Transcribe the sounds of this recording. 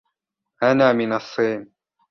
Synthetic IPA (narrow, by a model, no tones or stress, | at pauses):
hanaːmɪnɑsˤːiːn